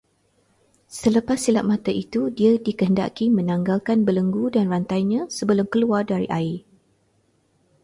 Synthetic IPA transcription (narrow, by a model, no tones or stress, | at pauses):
sələpasːilaʔ̚mãt̪aʔit̪udiadikəɦənda̰kimə̃nãŋɡalkanbələŋɡudanrant̪ajɲãsəbəlʊmkəluardaɾḭʔai